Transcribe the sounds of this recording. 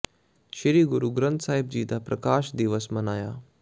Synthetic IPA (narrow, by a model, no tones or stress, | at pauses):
ʃiɾiːɡuɾuːɡɾənt̪saːɦib̚d͡ʑiːt̪apɾɐkaːʃd̪iʋəsmɐnaːjaː